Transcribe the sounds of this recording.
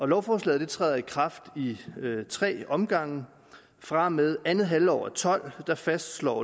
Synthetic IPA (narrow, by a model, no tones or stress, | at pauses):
ɒ̽lɒʊfɒːslɛ̰ːð̥ˠe̝t͡sʰʁɛ̰ːðˠɐikʰʁɑ̈fd̥it͡sʰʁɛ̰ːɒ̽mɡ̥ɑ̈ŋ̰ə | fʁɑ̈meðˠænð̩ˠɦæləɒ̰ʊ̰ɐt͡sʰɒ̽l̰d̥ɑ̈fæsd̥slɒ̰ː